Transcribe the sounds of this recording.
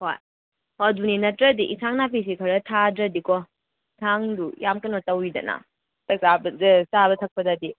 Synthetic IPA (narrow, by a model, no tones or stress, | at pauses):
hoj | hɔduninɐtɾɐdiʔisʰaŋnapʰis̬ikʰɐɾɐtʰadɾɐdikɔ | isʰaŋdujamkɐnɔtɐwidɐ̰na̰ | tɐk̚sabɐzsabɐtʰɐk̚pʰɐdadi